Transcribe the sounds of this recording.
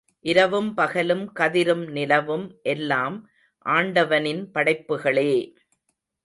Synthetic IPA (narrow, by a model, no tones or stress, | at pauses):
ʔɪɾɐʋɯmpɐɣɐlɯmkɐðɪɾɯmnɪlɐʋɯmʔɛlːaːm | ʔaːɳɖɐʋɐnɪnpɐɽɐɪpːɯɣɐɭeː